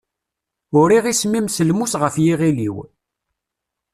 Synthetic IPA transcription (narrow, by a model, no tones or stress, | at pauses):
ʊɾiʁismimsəlmusʁəfjiʁilḭw